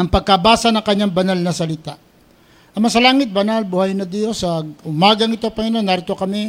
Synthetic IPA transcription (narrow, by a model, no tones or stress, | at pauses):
ɐŋpɐɡ̚kɐbaːsɐnɐŋkɐɲːaŋbɐnalnɐsɐlɪt̪aʔ | ʔɐmɐs̬ɐlaːŋɪt̪̚bɐnalbʊhajnɐd̪josɐʊmaːɡɐŋɪt̪opɐŋɪnonːaːɾɪt̪o̞kɐmɛ